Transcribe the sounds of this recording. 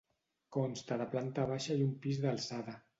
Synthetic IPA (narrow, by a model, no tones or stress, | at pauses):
konst̪aðəplant̪aβaʃaiumpizðalˠsaða